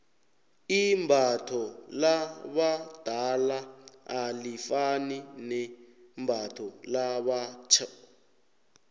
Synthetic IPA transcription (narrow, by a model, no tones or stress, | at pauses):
imbʱatʰɔlaβad̥ʱalaalifaninɛ | mbʱatʰɔlaβat͡ʃʰa